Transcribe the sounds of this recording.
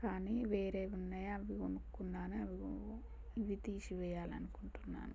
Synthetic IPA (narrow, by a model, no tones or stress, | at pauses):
kaːniːʋeːɾeːunːɐjɐʋionukunːaːnuɐʋi | iʋit̪iːʃiʋɛːjaːlɐnukuɳʈunːa̰ːnu